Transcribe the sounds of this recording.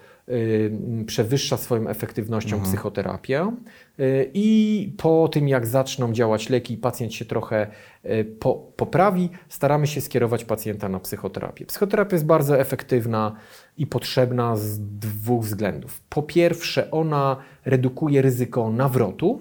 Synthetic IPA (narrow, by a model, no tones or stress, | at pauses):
pʂɛvɘʂːasfɔjɔ̃w̃ʔɛ̰fɛkt̪ɘvnɔɕt͡ɕɔ̃w̃psɘxɔt̪ɛɾa̰pʲjɛ | ipʰɔt̪ɘmjaɡzat͡ʂnɔ̃w̃d͡ʑawat͡ɕlɛkʲiːpat̪sʲjɛnt̪ɕɛt̪ɾɔxɛ | pʰɔpɔpɾavʲist̪aɾamɘɕɛskʲjɛɾɔvat͡ɕpat̪sʲjɛnt̪anapsɘxɔt̪ɛ̰ɾa̰pʲjɛpsɘ̥xɔt̪ɛɾapʲjajɛsbaɾd̪zɔɛfɛkt̪ɘvna | ipɔtʂɛbnazd̪vuɣvzɡlɛnd̪ufpʰɔpʲjɛɾfʂɛʔɔna | ɾɛd̪ukujɛɾɘzɘkɔnavɾɔt̪u